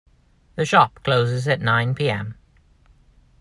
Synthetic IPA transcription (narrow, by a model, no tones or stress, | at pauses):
ðəʃɒp̚kʰl̥oʊzɪzəʔnãɪ̃npʰiːɛ̃m